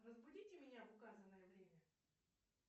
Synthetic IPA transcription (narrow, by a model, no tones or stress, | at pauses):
rəzbʊdʲitʲɪmʲɪnʲavʊkazənəjəvɾʲemʲɐ